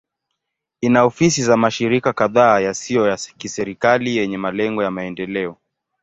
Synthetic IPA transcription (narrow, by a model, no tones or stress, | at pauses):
inaɔfisizamaʃiɾikakaðaːjasiɔjakisɛɾikalijɛɲɛmalɛŋɡɔjamaɛndɛlɛɔ